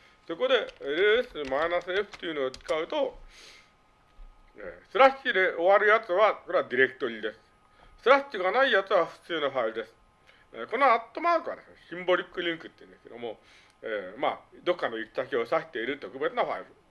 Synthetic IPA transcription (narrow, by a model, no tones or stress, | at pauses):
so̞ko̞d̪e̞eɾɯesɨmaenasɨɾeɸɯ̟̥t̪ːejɯ̟noːt͡sɨ̥kaɯ̟t̪o̞ | ḛːsɨɾaɕːid̪e̞ʔo̞βaɾɯ̟jat͡sɨβakoɾead̪ʲiɾe̞kɯ̟t̪o̞ɾʲid̪e̞sɨ̥ | sɨɾaɕiɡanaijat͡sɨβaɸɯ̥t͡sɨːnoɸaiɾɯ̟d̪e̞sɨ̥ | eko̞noat̪ːo̞maːkɯ̟βa̰d̪e̞sɨne̞ɕĩmbo̞ɾʲikːɯ̟ɾʲĩŋkɯ̟t̪ːeiɯ̟̃nd̪esked̪omo̞ | emad̪o̞kːano̞ikʲi̥t̪akʲio̞saɕi̥t̪e̞iɾɯ̟t̪ːokɯbe̞t͡sɨnaɸa̰iɾɯ̟